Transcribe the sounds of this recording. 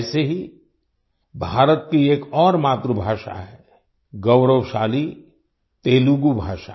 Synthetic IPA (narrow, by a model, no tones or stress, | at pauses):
seɦi | bʱaːɾət̪̚kieːkɔːɾmaːt̪ɾubʱaːʃa̰ɦɛ | ɡɐʊɾəwʃaːli | t̪eːluɡubʱaːʃaː